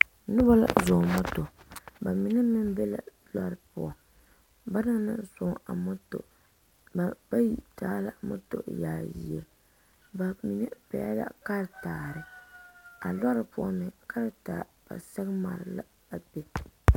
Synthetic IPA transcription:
nʊ˦ba˦la̰˦zo˨mɔ˦to˨ba˨mi˨˦nɛ˦mɨ˦m˦bɛ˦la̰˨ | la˦ɾɨ˨pʊ˦˨ɔ˨ | ba˦na˦ŋ˦nɨ˦sʊ˨˦a˨mʊ˦to̰˨ | b̥a˦ji˨taː˦la˨mɔ̰˦to̰˨ʔjaː˨ji˨ɛ˨ | ba˨mi˨nɛ˦pɛ̰˨˦a˦la̰˨ka˦ɾtaː˨ɾɨ˦ | a˨la˦ɾɨ˨pʊ˦ɔ˦mɛ˨ka˦ɾɨ˨˦ta˨b̥a̰˨sɛ˦ɣma˨ɾɪ˨la̰˦ | a˨be˦

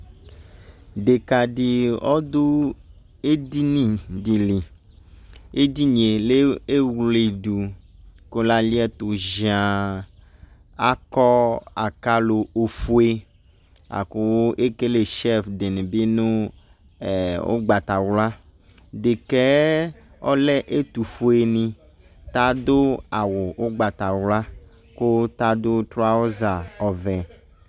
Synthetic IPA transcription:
de˨ka˨ɖi˨ɔ˦d̪o˦ | e˦di˦nĩ˦di˨li˨ | e˦di˦ɲe˨le˦e˦wle˨ɖu˨ko˦la˦li˦ɛ˦t̪o˨ʒi˨ã˨ | a˦kɔ˦a˨ka˦lo˨o˨fu˦e˦ | a̰˨ko˨wo˦ʔe˦ke˦le˨ʃɛ˦fde˨nẽ˨bi˦nũ˦˨ | wo̰˦ɡ͡ba˨t̪a˨wla˦ | de˨kɛ˦ | ɔ̰˦lɛ˦ʔe˦t̪u˨fu˦e˨nĩ˦ | t̪a˦d̪o˦a˨wo˨wo˦ɡ͡ba˨t̪a˨wla˦ | ko˦t̪a˦d̪o˦t̪ɾo˦a˦wo˦za˨ɔ˨vɛ̃˨

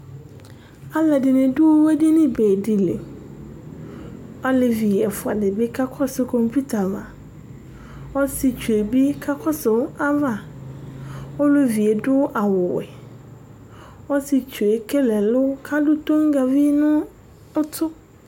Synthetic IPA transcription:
a˦la˨dɪ˨nɪ̃˨dʊ˦wɛ˦di˦nɪ̃˦beː˨di˨lḛ˨ | ɔ˦lɪ˨vi˨ɛ˨fʊ˨a˨dɪ˨bɪ˦kʰa˦kʰɔ˦sɪ˨kʰɔ̃˨mpʰu˦tʰa˨vã˨ | ɔ˦sɪ˨t͡ɕʰᶣu˨e˨bi˦kʰa˦kʰɔ˦sɪ˨˦a˦va˨ | ɔ˦lʊ˦vi˨e˨dʊ˦ʔa˨wʊ˨wɛ̰˨ | ɔ˦sɪ˨t͡ɕʰᶣu˨e˨kʰɛ˦lɛ˨lʊ˦kʰa˦dʊ˦tʰõ˦ŋɡa˨vi˦nʊ̃˦ | ʊ˦tʰʊ˦

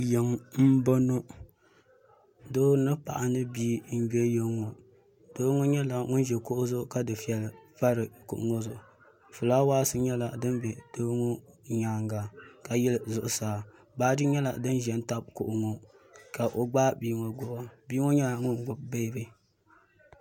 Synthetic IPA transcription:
jɛ˨ŋm̩˦bo˦no˦ | doː˦nɨ˦pa˨ʔa˨nɨ˦biː˦n̩˦bɛ˦jɛ˦ŋo˨ | doː˦ŋo˦ɲɛ˦la˨ŋʊ˦n˦ʒɛ˨kʊ˦ʔʊ˦zʊ˦ʔʊ˦ka˦dɨ˨fi˨ɛ˨lva˦ɾɨ˨kʊ̰˨ʔʊ˨ŋo˦zʊ˦ʔʊ˨ | fʊ˨laː˦waː˦sɨ˦ɲɛ˦la˨dɨ˦nbɛ˨d̥oː˦ŋo˦ɲaː˨ŋɡa˨ka˨jɛ˦lzʊ˨ʔʊ˦saː˨ | baː˦dɨ˦ɲɛ˦la̰˨dɨ˦nʒɛ˨n˦ta˦b̚kʊ˨ʔʊ˨ŋo˨ | ka˨ʔo˨ɡ͡baː˦biː˦ŋo˨ɡ͡bʊ˦a˦biː˦ŋo˦ɲɛ˦la˨ŋʊ˦n˨ɡ͡bʊ˨b̚be˦˨bɨ˦

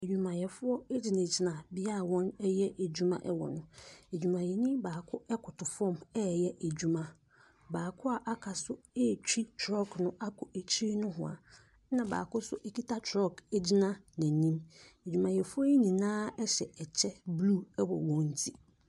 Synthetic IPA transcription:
e˨d͡ʑᶣu˨mã˨jɛ˨fʊ˦ɔ˦e˦d͡ʑi˨nã˨d͡ʑi˨nã˨bɪ˦a˦˨wɔ̃˦nɛ˦jɛ˦ʔe˨d͡ʑᶣu˦mã̰˦ʔɛ˦wɔ̰˨nʊ̃˨e˨d͡ʑᶣu˨mã˨jɛ˨ɲĩ˦baː˨kʰʊ˦ɛ˦kʰʊ˨tʰʊ˨fɔ̃˦˨mɛ˦˨jɛ˦ʔe˨d͡ʑᶣu˦mã˨ | baː˨kʰʊ˦a˨ʔa˦kʰa˨sʊ˦e˦˨t͡ɕᶣi˦tʰɾɔ˦˨knʊ̃˦ʔa˦kʰʊ˨e˨t͡ɕʰi˦ɾi˦nʊ̃˦ɦʊ̰̃˨a̰˨˦ | nã˨ba̰ː˨kʊ˦sʊ˦ʔe˦kʰi˦tʰa˦tʰɾɔ˦˨ke˦d͡ʑi˦nã˦nã˨nĩ˦me˨d͡ʑᶣu˨mã˨jɛ˨fʊ˦ɔ˦e˦ɲĩ˨nãː˦ɛ˦ɕɛ˨ɛ˨t͡ɕʰɛ˦blu˦˨ɛ˦wɔ̰˨wɔ̃˦n˦tʰi˦

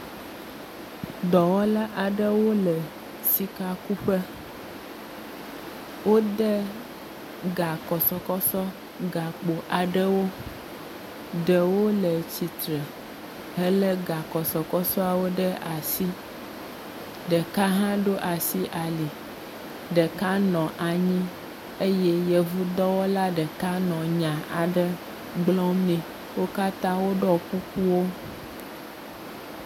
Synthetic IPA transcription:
d̪ɔ˨wɔ˦la˦ʔa˨ɖə˦wo˦lɛ˨ | si˨ka˦ku˦ɸə˦ | wo˦d̪ɛ˦ | ɡa˨kɔ˨sɔ˨kɔ˦sɔ˦ | ɡa˨k͡po˨ʔa˨ɖɛ˦wo˦ | d̪ɛ˨wo˦lɛ˨t͡ɕi˨t̪ɾɛ˨ | ɦɛ˦lɛ˦ɡa˨kɔ˨sɔ˨kɔ˦sɔ˦a˨wo˦ɖə˦ʔa˨si˦ | ɖə˨ka˦ɦã˦ɖo˦ʔa˨si˦ʔa˨li˨ | ɖə˨ka˦nɔ̃˨ʔa˨ɲĩ˦ | e˦jɛ˦jɛ˨vu˦d̪ɔ˦wo˦la˦ɖə˨ka˦nɔ̃˨ɲã˨ʔa˨ɖə˦ | ɡ͡blɔ̃˦mnɛ̃˨ | wo˦ka˦t̪ã˦wo˦ɖɔ˦ku˦ku˦wo˦

